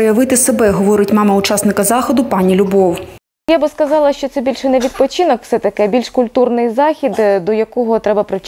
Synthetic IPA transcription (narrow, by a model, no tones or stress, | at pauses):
jɐʋɪt̪ɪsebɛɦɔʋɔɾɪtʲmɑmɐʊt͡ʃɑsnɪkɐzɑxɔd̪ʊpɑnʲilʲʊbɔw | jabɪskɐzɑlˠɐʃt͡ʃɔt̪sɛbʲilʲʃɛnɛʋʲid̪̚pɔt͡ʃinɔkw̥sɛt̪ɐkɛbʲilʲʃkʊlʲt̪urnɪjzɑxʲid̪d̪ɔjɐkɔɦɔt̪ɾɛbɐpɾɪwt͡ʃ